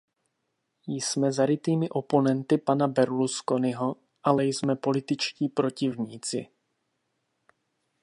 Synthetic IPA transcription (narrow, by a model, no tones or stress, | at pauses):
jsmɛzaɾɪt̪iːmɪʔo̞po̞nɛnt̪ɪpanabɛɾlusko̞nɪɦo | ʔalɛjsmɛpo̞lɪt̪ɪt͡ʃciːpɾo̞cɪvɲiːt͡sɪ̰